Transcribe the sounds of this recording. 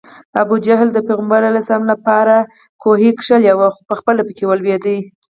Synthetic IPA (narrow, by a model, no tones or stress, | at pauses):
abud͡ʒaɦld̪əpeɣəmbɑɾalasɑmlapɑɾa | koɦikʂəljawaxopəxpəlapəkewəlwjed̪i